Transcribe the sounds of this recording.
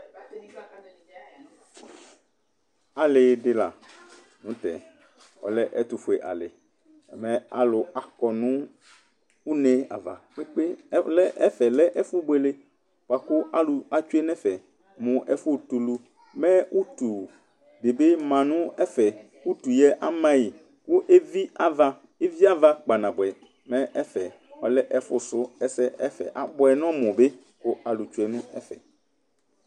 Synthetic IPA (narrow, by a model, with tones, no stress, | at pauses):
a˨lɪ˨ɖɪ˨la̰˨ | nũ˨˦t̪ɛ̰˨ | ɔ̰˨lɛ˦ʔɛ˦t̪u˨fo˨e˨ʔa̰˨lɪ˨ | mɛ̃˦a̰˨lʊ˨a˨kɔ˨nũ˦ | u˦nɛ̃˦a̰˨va̰˨k͡pe˦k͡pe˦lɛ˦ʔɛ˦fɛ˨lɛ˦ʔɛ˦fu˦be˦le˦ | k͡pa˨kʊ˦ʔa˦lu˨a˨t͡ʃu˦e˦nɛ̃˦fɛ˨ | mʊ̃˨ʔɛ˦˨fʊ˦t̪u˨lu˦ | mɛ̃˦u˦t̪u˨ | be˨be˦mã˨nʊ̃˦ɛ˦fɛ˨ | wu˦t̪u˨jɛ˦ʔa˦mã˦ji˨ | kʊ˦ʔe˦vi˦a˦va˦ | e˦vi˦a˦va˦k͡pa˨nã˨bʊ˨ɛ˨ | mɛ̃˦ʔɛ˦fɛ˨ | ɔ˨lɛ˦ʔɛ˦fʊ˦sʊ˦ɛ˦sɛ˦ɛ˦fɛ̰˨ʔa˨bʊ˦ɛ˨nɔ̃˦mʊ̃˨be˦ | kʊ˦a˨lu˨t͡ʃu˦e˦n˦ɛ˦fɛ̰˨